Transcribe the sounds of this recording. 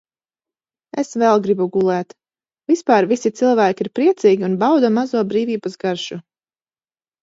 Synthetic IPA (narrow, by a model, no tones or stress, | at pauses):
esvɛlˠɡɾibuɡulˠɛːt̪ | vispaːɾvisit̪silˠvæːkʲiiɾpɾiɛt̪siːɡʲiunbawd̪amazuːɔbɾiːviːbasɡaɾʃu